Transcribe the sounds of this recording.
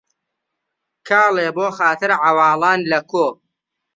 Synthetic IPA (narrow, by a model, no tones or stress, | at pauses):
kʰaːleːboːxaːt̪ɨɾʕawɑːlɑːnlɐkoː